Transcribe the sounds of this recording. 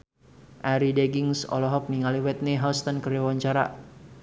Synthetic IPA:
ʔaɾidɛɡiŋsɔ̰lɔɦɔk̚niŋaliwɛt̪̚niɦɔst̪ɔnkəɾiwaɲt͡ʃaɾa̰

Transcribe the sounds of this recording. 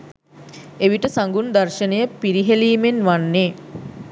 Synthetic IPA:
eʋiʈəsaŋɡund̪ɐrʃənəjəpiɾiɦeliːmenʋanːe

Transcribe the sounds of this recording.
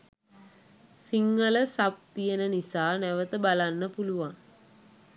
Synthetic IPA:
siŋːələsap̚t̪ijənənisaːnæʋət̪əbalanːəpuluʋaŋ

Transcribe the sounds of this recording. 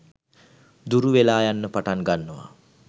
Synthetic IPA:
d̪uɾuʋelaːjanːəpaʈaŋɡanːəʋa̰

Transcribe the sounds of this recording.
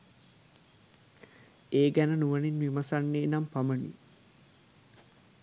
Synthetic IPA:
eːɡænənuʋəninʋimasanːeːnampamənḭ

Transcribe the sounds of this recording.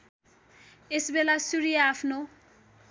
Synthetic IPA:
esbelasuɾijaapʰno

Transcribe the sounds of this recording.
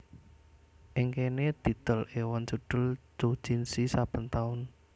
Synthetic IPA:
ʔɪŋkened̪̥i̤t̪əlewant͡ʃuɖ̥ʊ̤ld͡ʒ̥o̥d͡ʒ̥insisapənt̪aʊn

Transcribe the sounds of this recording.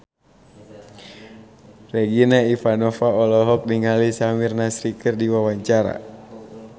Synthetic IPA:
rɛɡinaifanɔfaɔlɔɦɔk̚niŋalisamirnasɾikərdiwawaɲt͡ʃaɾa̰

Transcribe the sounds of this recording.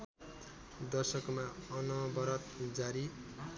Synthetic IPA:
d̪ʌsʌkmaʌnʌbʌɾʌt̪̚d͡zaɾi

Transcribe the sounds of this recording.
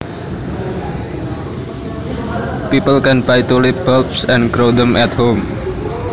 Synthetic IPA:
pipəlkɛnbajt̪ulibɔlpsɛ̃nkɾodəmʔɛt̪hom

